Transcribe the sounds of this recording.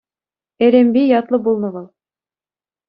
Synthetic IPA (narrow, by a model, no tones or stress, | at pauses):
eɾembijɑt̪lˠɤbulˠnɤβɤlˠ